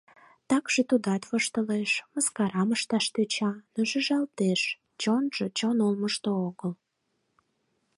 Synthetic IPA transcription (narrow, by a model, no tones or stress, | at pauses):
t̪ɑkʒ̥et̪ud̪ɑt̪βoʃt̪əleʃməskɑɾɑməʃt̪ɑʃt̪øt͡ɕɑnoʒəʒɑlt̪eʃ | t͡ɕonʒ̥et͡ɕonolməʃt̪ooɣəl